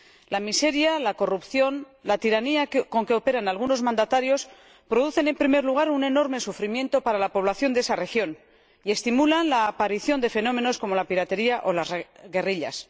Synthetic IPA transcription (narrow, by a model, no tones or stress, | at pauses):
lamise̞ɾjalako̞rupθjo̞n | lat̪iɾaniako̞ŋke̞o̞pe̞ɾanalɣuno̞zmãnd̪at̪aɾjo̞s | pɾo̞ð̞uθe̞ne̞mpɾime̞ɾluɣ̞aɾune̞no̞ɾme̞sufɾimjẽ̞nt̪o̞paɾalapo̞β̞laθjo̞nd̪esare̞xjo̞n | ie̞st̪imulanlaːpaɾiθjo̞nd̪e̞fe̞no̞me̞no̞sko̞mo̞lapiɾat̪e̞ɾiaʔo̞lazɣe̞riʎa̰s